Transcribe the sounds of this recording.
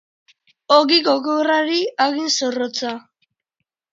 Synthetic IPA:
oɣiɣoɣewraɾiaɣinsorot͡sa

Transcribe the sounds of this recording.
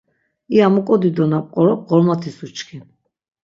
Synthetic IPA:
iamɔkʼɔd̪id̪ɔnapʼqʼɔɾɔp̚ʼɡɔlmat̪ʰisut͡ʃkʰin

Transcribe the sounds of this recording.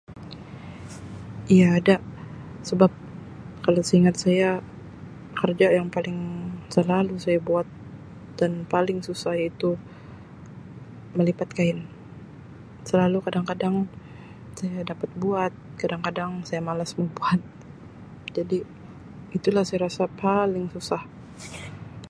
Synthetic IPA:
ijaːdaʔ | səbap̚ | kalawsəiŋat̪̚saja | kərd͡ʒajaŋpalɪŋsəlalusajabuat̪̚ | d̥anpalɪŋsusait̪u | məlipat̪̚kaɪn | səlalukadaŋkadaŋ | sajadapat̪̚buat̪̚kadaŋkadaŋsajamalasmobuat̪̚ | d͡ʒadiː | t̪ulahsajaɾasapalɪŋsusah

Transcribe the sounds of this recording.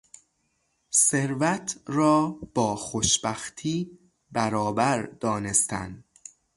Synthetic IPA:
seɾvæt̪ʰɾɒːb̥ɒːxoʃbæxt̪ʰiː | bæɾɒːbæɾd̪̥ɒːnest̪æ̰nd̪

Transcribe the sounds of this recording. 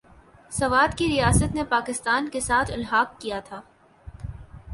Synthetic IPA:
sɐʋaːd̪kiɾijaːsət̪nepaːkɪst̪aːnkesaːt̪ʰɪlɦaːqːijat̪ʰaː

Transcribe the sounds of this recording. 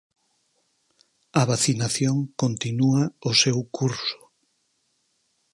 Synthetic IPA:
ɐβaθinaθjoŋkont̪inuaʊsewkʰuɾsʊ̥

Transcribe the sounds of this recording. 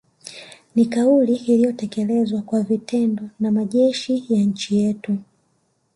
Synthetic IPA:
nikauliːlijɔtɛkɛlɛzwakwavitʰɛndɔnamaʄɛʃijaɲ̩t͡ʃijɛtu

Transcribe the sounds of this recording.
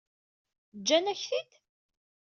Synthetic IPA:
d͡ʒːænæçθid̪

